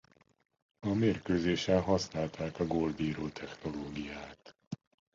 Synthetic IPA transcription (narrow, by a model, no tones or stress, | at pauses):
ɒmeːrkøːzeːʃɛnɦɒsnaːlt̪aːkɒɡoːld̪iːɾoːt̪ʰɛxno̞loːɡijaːt̪